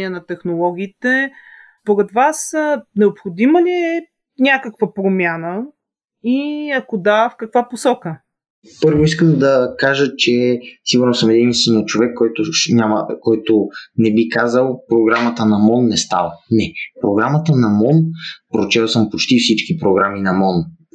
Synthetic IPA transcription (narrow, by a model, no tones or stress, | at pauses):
iɛnɐt̪ɛxnolˠɔɡ̟iːt̪ɛ | poɾɛt̪vasnɛopxod̪iməlʲiɛ | nʲakəkvəpɾomʲjanə | iɐkod̪afkɐkvaposɔkə | pɤɾvoiskəmd̪ɐkaʒət͡ʃɛsiɡʊɾnosəmɛd̪inist̪ɛnot͡ʃovɛkːɔjt̪ʊnʲaməkɔjt̪onɛbikazəlˠpɾoɡɾamət̪ənɐmɔnːɛst̪a̰vənɛpɾoɡɾamət̪ənɐmɔnpɾot͡ʃɛlˠsəmpot͡ʃt̪ifsit͡ʃkipɾoɡɾaminɐmɔn